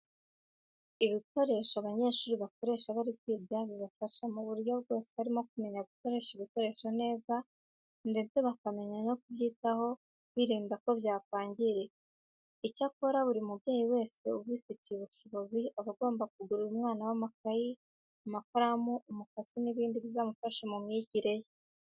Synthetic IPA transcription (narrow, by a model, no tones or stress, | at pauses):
iβiko̞ɾe̞ʃoaβaɲe̞ːʃuːɾiβako̞ɾe̞ːʃaβaɾikwiːdzaβiβafaʃamuβuɾjo̞βɡo̞ːsehaɾimo̞k̚ume̞ɲaβuko̞ɾe̞ʃiβiko̞ɾe̞ʃone̞ːza | nde̞t͡se̞βakame̞ɲano̞kuβjiːtaho̞ | βiɾiːnbako̞βjaːkaːɲɟiɾe̞ | icako̞ɾaβuɾimubjeːjiwe̞ːse̞uβiːticieβuʃo̞βo̞ziaβaɡo̞ːmbak̚uɡuɾiɾumŋaːnawamakaji | umakoɾamuumukat͡siniβiːndiβizaːmufaʃamumɲiɟiɾe̞je